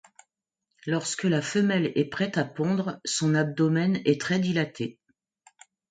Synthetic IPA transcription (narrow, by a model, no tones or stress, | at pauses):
lɔʁskəlafəmɛlɛpχɛt̪apɔ̃d̪ʁsɔ̃nab̚d̪ɔmɛnɛt̪χɛd̪ilat̪ʰe